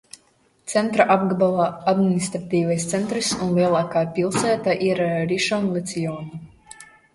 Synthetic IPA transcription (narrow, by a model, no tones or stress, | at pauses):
t̪sɛnt̪ɾaʔab̚ɡabalˠaad̪minist̪ɾat̪iːvajst̪sɛnt̪ɾisunliɛlˠaːkaːpʲilˠsæːt̪aʔiɾɾiʃɔnlˠɛt̪sʲijɔːnu